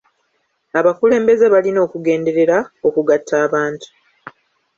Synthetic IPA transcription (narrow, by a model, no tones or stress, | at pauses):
aβakule̞ːmbe̞ze̞βalino̞ːkuɡe̞ːnde̞ɾe̞ɾao̞kuɡatʰːaːβaːntu̥